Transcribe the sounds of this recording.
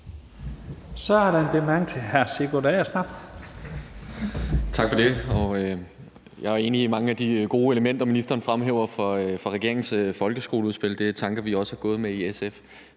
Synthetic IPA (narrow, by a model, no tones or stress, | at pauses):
sɒ̽æɐɾɑenb̥emæŋt͡sʰe̝hæɐseɡ̥odɛɪɐsnɑ̈b̥ | t͡sʰɑ̈ɡ̥fɒ̽d̥e̝ɒ̽ø | jɑ̈ɪæɐe̝ːniːmɑ̈ŋəæd̥iɡ̥o̝ːe̝ləmen̰d̥ɐminisd̥ʁɐːnəfʁamɦeːʊ̰ɐfɒfɑ̈ʁɛɡ̥e̝ɐ̰eŋnsfɒ̽lɡ̥əsɡ̥o̝ːluðˠsb̥e̝l̰d̥e̝t͡sʰɑ̈ŋɡ̥ɐʋiɒ̽sə̥hɑ̈ɡ̥ɔ̽ːð̩ˠmeiesef